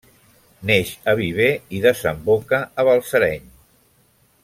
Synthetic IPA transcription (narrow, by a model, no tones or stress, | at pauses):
neʃəβiβ̞eiðəzəmbokəːβəlˠsəɾɛɲ